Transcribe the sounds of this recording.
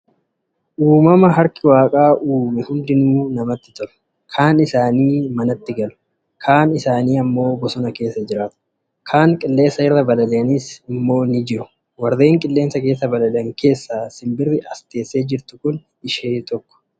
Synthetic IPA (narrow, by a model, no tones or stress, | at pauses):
ʔuːmɐmɐɦɐɾkɪwaːkʼaːʔuːmɪhʊnd̪ɪnuːnɐmɐt̪ːɪt̪ɔɾʊ̥ | kʰaːnɪsaːniːmɐnɐt̪ːɪɡɐlʊ̥ | kʰaːnɪsaːniːɐmːo̞ːbɔsɔnɐke̞ːsːɐd͡ʒɪɾaːt̪ʊ̥ | kʰaːŋkʼɪlːe̞ːsɐɪrːɐbɐlɐleɐnisɪmːo̞ːnɪd͡ʒɪɾʊ̥ | wɐɾːe̞ːŋkʼɪlːe̞ːnsɐke̞ːsːɐbɐlɐlɐŋke̞ːsːaːsɪmbɪrːɪɐst̪e̞ːsːe̞ːd͡ʒɪɾt̪ʊkʊn | ɪʃeːt̪ɔkːɔ̥